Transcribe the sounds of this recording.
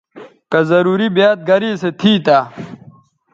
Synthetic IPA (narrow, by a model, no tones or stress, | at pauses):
kɐzɐɾuːɾibjaːt̪̚ɡɐɾiːset̪ʰiːt̪aː